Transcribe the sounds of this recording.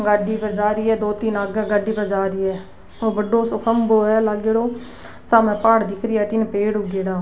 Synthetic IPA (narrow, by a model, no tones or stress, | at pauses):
ɡaːɖiːpəɾd͡ʒaːɾiːɛːd̪oːt̪inaɡɛːɡaɖiːpəɾd͡ʒaːɾiːɛː | oːbəɖoːsʊkʰəmboːɛːlaɡeːɽoː | saːmɛ̃ːpaːɽd̪ɪkʰɾɪːɛːʈɪnpeːɽʊɡeːɽaː